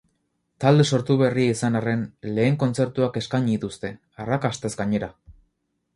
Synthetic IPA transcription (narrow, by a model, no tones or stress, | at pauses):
t̪ald̪e̞so̞ɾt̪uβ̞e̞riaisanare̞nle̞ːŋko̞nt͡se̞ɾt̪uake̞skaɲit̪ust̪e̞ | arakast̪e̞zɡaɲe̞ɾa